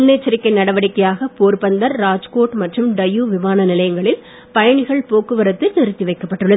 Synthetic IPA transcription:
ʊnːeːt͡ʃːɐɾɪkːɐɪnɐɽɐʋɐɽɪkːɐjaːɣɐpoːɾpɐnd̪ɐɾɾaːd͡ʒkoːʈmɐʈrɯmɖɐjuːʋɪmaːnɐnɪlɐjɐŋɡɐɭɪl | pɐjɐɳɪɣɐɭpoːkːɯʋɐɾɐt̪ːɯɛɾɯt̪ːiʋɐɪkːɐpːɐʈːɯɭːɐðɯ

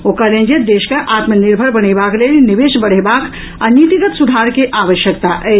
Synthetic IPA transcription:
okaɾẽnd͡ʒed̪eːʃkeʔaːt̪məniɾbʱəɾbəñebʱaklelniʋeʃbəɽ̤ebaːk | anit̪iɡət̪sud̪ʱaɾkeʔaːʋəʃjəkt̪aʔɛ

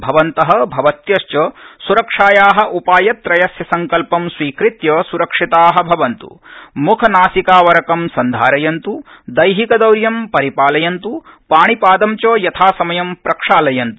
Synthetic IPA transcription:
bʱɐʋɐnt̪ɐɦɐ̆bʱɐʋɐt̪jɐʃt͡ʃɐsuɾɐkʂaːjaːɦɐ̆ʔupaːjɐt̪ːɾɐjɐsjɐsɐŋkɐlpɐmsʋiːkɾit̪jɐːsuɾɐkʂit̪aːɦɐ̆bʱɐʋɐnt̪ṵmukʰɐnaːsikaːʋɐɾɐkɐmsɐnd̪ʱaːɾɐjɐnt̪ud̪ɐjɦikɐd̪ɐwɾjɐmpɐɾipaːlɐjɐnt̪upaːɳipaːd̪ɐmt͡ʃoːjɐt̪ʰaːsɐmɐjɐmpɾɐkʂaːlɐjɐnt̪u̥

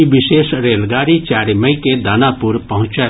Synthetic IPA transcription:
ibɪʃeːsɾeːlɡaːɾit͡ʃaːɾeməiked̪aːnapuɾpəɦʊ̃t͡ʃə

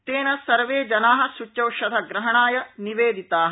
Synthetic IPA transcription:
t̪eːnɐsɐɾʋeːd͡ʒɐnaːɦɐ̆sut͡ʃːɐwʃɐd̪ʱɐɡɾɐɦɐɳaːjɐniʋeːd̪it̪aːɦɐ

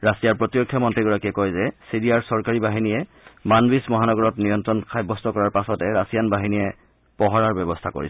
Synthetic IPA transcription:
ɹasijaɹpɹɔtiɔkʰːjamɔntɹiɡɔɹakiɛkɔjzɛsiɹijaɹsɔɹkaɹibaɦinijɛ | manbismɔɦanɔɡɔɹɔtnijɔntɹɔnkʰajbːɔstɔkɔɹaɹpasɔtɛɹasijanbaɦinijɛ | pɔɦɔɹaɹbɛbɔstʰako̰ɹḭs

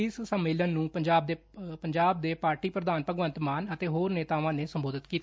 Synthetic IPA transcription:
ɪssəmːeːlənːũːpəɲd͡ʒaːb̚d̪eː | pəɲd͡ʒaːb̚d̪eːpaːɾʈiːpɾəd̪aːnpəɡʋənt̪maːnət̪eːɦoːɾneːt̪aːʋãːneːsəmboːd̪ət̪kiːt̪ː

